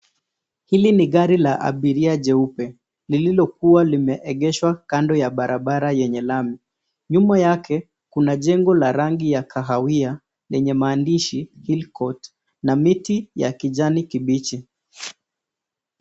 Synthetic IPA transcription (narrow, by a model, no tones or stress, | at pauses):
hiliniɠaɾilaʔa̰ɓiɾiaʄɛupɛ | lililɔkuwalimɛʔɛɠɛʃwakandɔjaɓaɾaɓaɾajɛɲɛlami | ɲumajakʰɛ | kunaʄɛŋɡɔlaɾaŋɡijakʰaɦawia | lɛɲɛmaːndiʃihilkɔt | namitija̰kiʄanikiɓit͡ʃi